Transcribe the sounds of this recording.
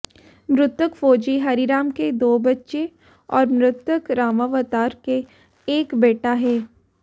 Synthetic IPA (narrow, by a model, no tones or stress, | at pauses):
mɾʊt̪wəkfoːd͡ʒiɦɐɾiɾaːmked̪oːbɐtːʃe | ɔːɾmɾʊt̪wəkɾaːmaʋət̪aːɾke | eːkbeːʈaɦɛː